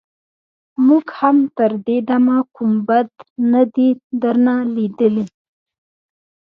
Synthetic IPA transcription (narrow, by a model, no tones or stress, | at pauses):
muɡhamt̪əɾd̪ed̪amakumbad̪nad̪id̪əɾnalid̪əli